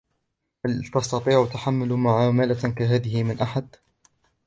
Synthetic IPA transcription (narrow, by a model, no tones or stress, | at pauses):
halt̪ɑst̪ɑt̪ˤiːʕt̪aħamːalmaʕamaːlakaɦaːðɪhɪmɪnʔaħad̪